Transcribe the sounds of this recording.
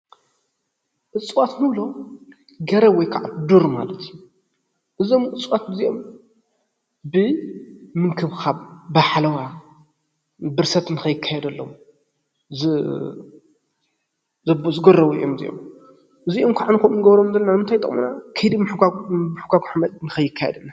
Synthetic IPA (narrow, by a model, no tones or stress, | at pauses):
ʔɨt͡sʼwat̪nɨβlo | ɡɐɾɐwɔjkʰaʕad̪uɾma̰lɐt̪ʰiju | ʔɨzo̞mʔɨt͡sʼwat̪̚ɨziʔom | bɨ | mɨŋkʰɨβxaβbaħlɐwa | bɨɾsɐt̪nɨxɐjːɪkʰːajɛd̪ɐlːom | zɨ | zɐbozɨɡɐrːɐβuɨ̰jʔomzḭjo̰m | ʔɨziʔomkʰaʕanɨkɐmnɨɡɐβɾomd̪ɐlnːanmɨnt̪ʰajt̪ʼɨ̰χʼmṵnakʰɐjd̪imħɡamħuɡaɡʷuħamɐnɨxɐjːɨkʰːajɛ̰d̪ɨn